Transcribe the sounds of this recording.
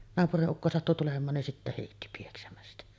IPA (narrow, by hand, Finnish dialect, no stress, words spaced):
nɑːpuriʔ ʔukːo sɑtːu tulemˑɑːn nin sitːæ heˑitːi pieksæmæstæ